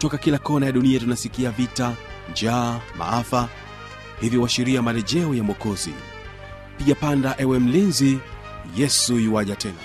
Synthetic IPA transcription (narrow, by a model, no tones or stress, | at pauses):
tɔkakilakɔnajaɗuniatunasikiavita | d͡ʒama̰afa | hiviwaʃiɾiamalɛʄɛɔjamɔkɔzḭ | piʄapandaʔɛwɛm̩linzi | jɛsujiwaʄatɛna̰